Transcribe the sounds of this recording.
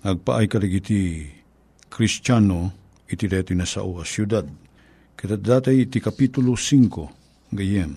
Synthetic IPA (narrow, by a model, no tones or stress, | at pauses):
nɐɡ̚pa̰ʔajkɐɾɐɡit̪i | kɾist͡ʃano | ɪt̪id̪at̪ojnasa̰ʔuasjud̪ad̪̚ | kɐt̪ad̪aːt̪ajɪt̪ikɐpit̪ʊlosiŋko | ɡɐjɛm